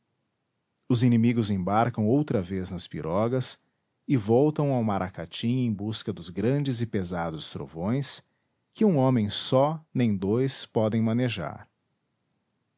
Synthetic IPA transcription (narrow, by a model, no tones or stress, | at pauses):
ʊzinimiɡʊzẽbaɾkɐ̃w̃owt̪ɾɐveznɐspiɾʔɔɡɐs | ɪvɔwt̪ɐ̃w̃awmaɾʔakat͡ʃĩẽj̃buskɐd̪ʊzɡɾɐ̃d͡ʒɪzɪpezad̪ʊst̪ɾo̰võj̃s | kɪũõmẽj̃sɔnẽj̃d̪ojspɔd̪ẽj̃mɐ̃neʒa̰ɾ